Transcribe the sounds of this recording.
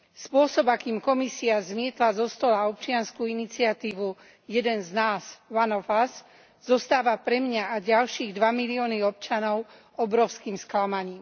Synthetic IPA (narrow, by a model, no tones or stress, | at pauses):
spʊɔsɔbakiːmkɔmisiazmɪɛt̪lazɔst̪ɔlaɔp̚t͡ʃɪanskuinit͡sɪat̪iːʋu | jɛd̪ɛnznaːzʋanɔfas | zɔst̪aːʋapɾɛmɲaaɟalʃiːɣd̪ʋamiliɔːniɔp̚t͡ʃanɔʊ | ɔbɾɔʊskiːmsklamaɲiːm